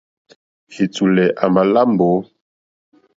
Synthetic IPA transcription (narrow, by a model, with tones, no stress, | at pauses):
hi˨tu˨lɛ˨ʔa˨ma˨la˦mbo˨˦